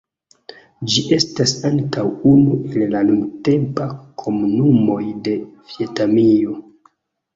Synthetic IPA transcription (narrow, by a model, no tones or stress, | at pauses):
d͡ʒiʔe̞stasaŋtawunuʔe̞llanunte̞mpakʰo̞munumo̞jde̞vie̞tamio̞